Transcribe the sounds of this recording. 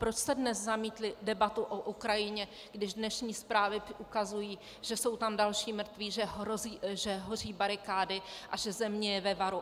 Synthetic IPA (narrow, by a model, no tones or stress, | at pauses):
pɾo̞t͡ʃsɛdnɛszamiːt̪lɪdɛbat̪uʔoʔukɾajɪɲɛ | ɡdɪʒdnɛʃɲiːspɾaːvɪukazujiː | ʒ̥ɛso̞wt̪amdalʃiːmr̩t̪viːʒɛɦɾoziʒɛɦor̝iːbaɾɪkaːdɪʔaʒɛzɛmɲɛjɛvɛvaɾu